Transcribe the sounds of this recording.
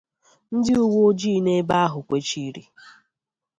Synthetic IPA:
n̩˦dɪ˦u˦wo˦o˦d͡ʒiː˦˨˦ne˦ba˦a˦ɦʊ˨kʷe˦t͡ʃi˦ɾḭ˨

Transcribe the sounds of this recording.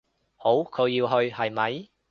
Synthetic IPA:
ho˨˥wkʰɵ˨˧ɥːiː˧wɦɵ˧ɥhɐ˨˩jmɐ˨˥j

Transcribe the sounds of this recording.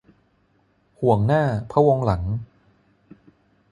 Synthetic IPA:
hu˨˩˦əŋnaː˥˩pʰa˦˥wo˧ŋla˩˦ŋ

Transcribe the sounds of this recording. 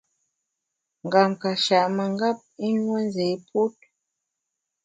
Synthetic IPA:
ŋ̩˨ɡa˨mka˨ʃa˨ʔmə˨ŋ˦ɡa˦p̚i˦nwɛ˦n˦ze˨˦pu˦t̚

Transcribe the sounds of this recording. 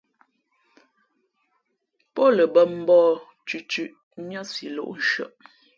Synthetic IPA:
pɔ˦lə˨bə˦m̩˦bɔː˦˨ | t͡ʃʉ˨t͡ʃʉ˨ʔ | mjə˦si˨lo̰˨ʔn̩˨ʃɰə̰˨ʔ

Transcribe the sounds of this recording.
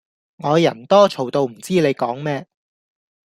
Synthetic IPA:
ŋɔː˨˧jɐ˨˩nt̪ɔː˥t͡ʃʰo˨˩wt̪o˧wm̩˨˩t͡siː˥le˨˧jkɔː˨˥ŋmɛː˥

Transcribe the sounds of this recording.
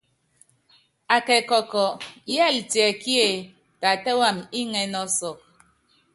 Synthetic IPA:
a˨kɛ˨kɔ˨kɔ˨˦jɛ˦˨ltjɛ˨ki˦e˦˨ | ta˨tɛ˦wa˦˨mi˦ŋɛ˨nɔ˦sɔ˨

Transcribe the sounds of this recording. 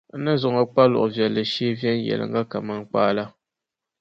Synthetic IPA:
nə˦zɔ˨ŋə˨k͡pa˦lɔ̰˨ʔɔ˨vjɛ˨lə˨ʃi˦vjɛ˦n̩˦jɛ̰˨l̰ŋ̩˦ɡa˦ka˨ma˦˨ŋ˦k͡paː˦la˦

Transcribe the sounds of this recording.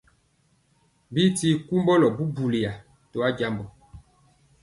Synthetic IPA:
bi˦ti˦ku˦mbɔ˦lɔ˨bu˦bu˨li˨ja˨ | to˨a˦ɟa˦mbɔ˨

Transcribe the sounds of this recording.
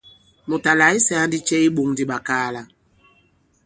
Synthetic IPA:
mu˨ta˨la˨i˦sɛ˨a˦ndi˦t͡ʃɛ˦i˦ɓu˨ŋdi˦ɓa˨kaː˦la˨

